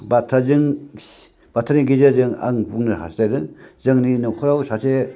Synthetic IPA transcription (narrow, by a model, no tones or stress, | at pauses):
batʰazɯŋ | b̥atʰːaniɡizazɯŋa̰ŋbuŋnaɦa̰stadɯŋzɯŋninɔkʰɔɾawsase